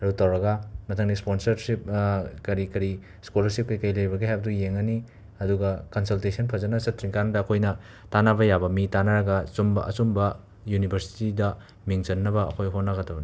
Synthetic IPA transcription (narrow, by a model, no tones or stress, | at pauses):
ɾutɐwɾɐɡɐmɐtʰɐŋnisponsɐɾsip̚kɐɾikɐɾi | skulɐɾsip̚kɐjkɐjlɐjbɐɡehajbɐdujeŋɐni | ɐduɡɐkɐnsɐltesɐnpʰɐzɐnɐsɐtʰɾiŋkandɐːkʰojnɐ | tanabɐjabɐmitanaɾɐɡɐsumbɐ̰ʔɐt͡ʃumbɐ | junibʱɐɾsi̥tidɐ | miŋt͡ʃɐnːɐbɐɐkʰojɦonːaɡɐtʰɐbɐni